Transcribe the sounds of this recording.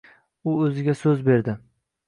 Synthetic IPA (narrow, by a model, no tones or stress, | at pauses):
ʊɵzɪɡʲasɵzbe̞ɾd̪ɪ